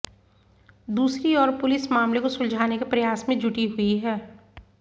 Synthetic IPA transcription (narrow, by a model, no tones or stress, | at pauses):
d̪uːsɾiɔːɾpʊlɪsmaːmlekosʊ̃ld͡ʒʱaːnekepɾɐjaːsmẽd͡ʒʱʊʈiɦʊiɦɛː